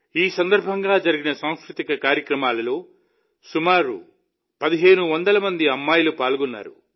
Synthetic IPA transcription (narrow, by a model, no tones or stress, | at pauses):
iːsɐnd̪ɐɾbʱɐŋɡaːd͡ʒɐɾiɡinɐsaːw̃skɾut̪ikɐkaːɾjɐkɾɐmaːlɐlo̞ː | sumaːɾṵ | pɐd̪iɦe̞ːnuʋɐnd̪ɐlɐmɐnd̪iɐmːaːjɐlupaːlɡɔnːa̰ːɾṵ